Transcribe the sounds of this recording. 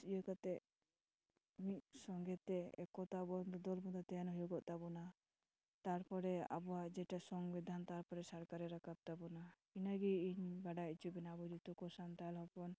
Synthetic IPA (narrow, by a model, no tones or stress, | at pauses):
ijɔkat̪ɛ | miʔsɔŋɡɛt̪ɛɛ̰kɔt̪abɔnd̪ɔd̪ɔlmud̪at̪ɛanɦujuɡɔʔt̪abɔna | t̪aɾpɔɾɛa̰bɔaʔd͡ʒɛʈasɔŋɡbid̪ʱant̪aɾpɔɾɛsaɾkaɾɛɾakʰab̚t̪abuna | inaɡiiɲbaɖajt͡ʃʰubɛnabɔd̪it̪ɔkɔsant̪alɦɔpɔn